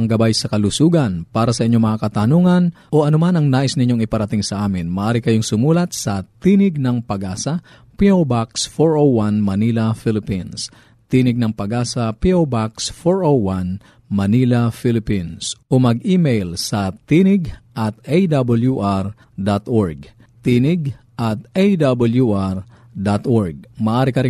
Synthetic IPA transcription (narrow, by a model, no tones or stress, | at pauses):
ɐŋɡɐbajsɐkɐlʊsuːɡɐnpaːɾɐsɐʔɪɲːo̞mɐŋakɐt̪ɐnuːŋɐnʔo̞ʔɐnomanɐŋnaːʔɪsnɪɲo̞ŋɪpɐɾɐt̪ɪŋsɐʔaːmɪnmɐʔaːɾikɐjo̞ŋsʊmuːlɐt̪̚sɐt̪iːnɪɡ̚nɐŋpɐɡaːsɐ | piowbaksfoɹowwanmɐnilɐfilɪpins | t̪iːnɪɡ̚nɐŋpɐɡaːsɐpiʔowbaksfoɹʔowwan | mɐniːlɐfilɪpinsʔomɐɡʔiːmejlsɐt̪inɪɡʔɐt̪ʔejd̪abɐljuʔaɾ | d̪at̪ʔoɹɡ̚ | t̪iːnɪɡ | ʔɐt̪̚ʔejd̪abɐljuʔaɾ | d̪at̪ʔoɹɡ̚mɐʔaːɾikɐɾɪ